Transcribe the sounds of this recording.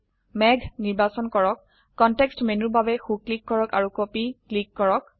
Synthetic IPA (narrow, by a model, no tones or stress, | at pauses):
mɛɡʱniɹbasɔnkɔɹɔkː | ɔntɛkstmenuɹbʱabɛxuklikːɔɹɔka̰ɹukopiklikːɔɹɔk